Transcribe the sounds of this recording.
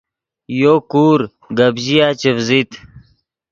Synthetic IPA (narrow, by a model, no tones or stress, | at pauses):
jokuːɾ | ɡɐbʑijaːt͡ɕefzit̪